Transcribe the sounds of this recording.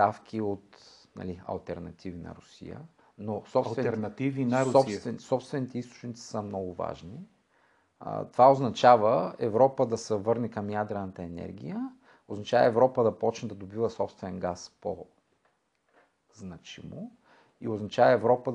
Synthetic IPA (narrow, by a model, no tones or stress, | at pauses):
t̪afk̟ʰʲiot̪ | nɐ̰liɐ̰lˠt̪ɛɾnɐ̰t̪ʰivinɐ̰ɾʊsḭjə̰ | nosɔpsvɛɛnɐt̪ivinɔt̪vɛnsɔpst̪vɛnit̪ɛist̪o̥t͡ʃnit̪si̥səmnɔɡʊva̰ʒnḭ | t̪ovaoznɐt͡ʃavəɛvɾɔpəd̪ɐsɛvɤɾnɛkɐmjad̪ɾɛnɐt̪əɛnɛ̰ɾɡ̟ʲḭjə | oznɐt͡ʃavə̰ɛvɾɔpəd̪ɐpɔt͡ʃnɛd̪ɐd̪obivəsɔpst̪vɛnɛnɡaspo̰ | znɐt͡ʃḭmo | ḭoznɐt͡ʃavəɛvɾɔpə